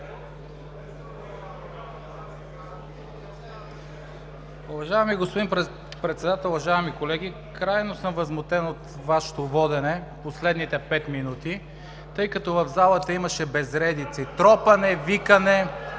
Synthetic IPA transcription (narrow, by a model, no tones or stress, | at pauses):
uvɐʒaɛmiɡospʊd̪i | pɾɛt̪sɛd̪at̪ɛlˠʊvɐʒaɛmikolɛɡ̟i | kɾajnosəmvɐzmot̪ɛnot̪ | vaʃɛ̥t̪ovɔd̪ɛnɛposlɛd̪nit̪ɛpɛt̪minut̪i | t̪ɤjkɐt̪ɔvɐvzalˠət̪əimɐʃɛbɛzɾɛd̪it̪sit̪ɾɔpɐnɛvikɐnɛ